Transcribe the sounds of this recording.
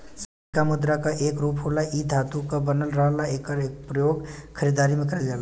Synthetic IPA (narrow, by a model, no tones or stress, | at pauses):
sə | kamʊd̪ɾakaʔeːkɾuːpɦoːlaʔid̪ʱat̪ukabənəlɾəɦəlaeːkəɾeːk̚pɾəjoːɡkʰəɾid̪aɾimẽkəɾəlɡala